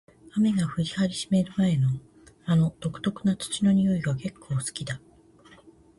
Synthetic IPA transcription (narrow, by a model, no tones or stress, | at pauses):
ame̞ɡaɸɯ̟ɾʲihaɾʲiɕi̥me̞ɾɯ̟mae̞no̞ | ano̞d̪̥o̞kɯ̟̥t̪o̞kɯ̟nat͡sɨ̥t͡ɕino̞ɲ̟io̞iɡake̞kʰːo̞ːsɨ̥kʲid̪a